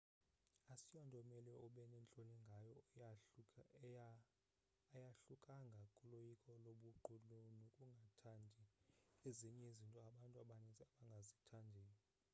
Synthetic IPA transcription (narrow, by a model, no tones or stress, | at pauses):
asijɔndʱʼɔmɛlɛɔɓɛnɛnt͡ɬʼɔnɛŋɡʱajɔ | jaɬukʼaŋɡʱakʼulojikʼɔloɓuǃʱulunokʼuŋɡʱatʰandʱieziɲɛizintʼɔaɓantʼuaɓanɛzaɓaŋɡʱazitʰandʱeːni